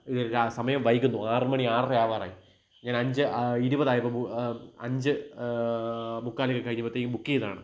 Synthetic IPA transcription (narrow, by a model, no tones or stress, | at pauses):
iðoɾsɐmɐjɐmʋɐjikʲːunːuaːrɨmɐɳiaːrjaːʋaːra̰ːji | ɲaːnɐɲd͡ʑɨiɾubɐðaːjɐpːɐuɐɲd͡ʑɨ | mukːaːliɣɐkɐɲːibɐt̪ːembukːijɐða̰ːɳɨ